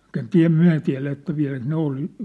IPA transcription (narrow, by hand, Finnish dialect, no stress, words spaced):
mŭt en tiæ̝ myæ̝ tiæ̝læ etːæ ʋiæ̝læk ne ol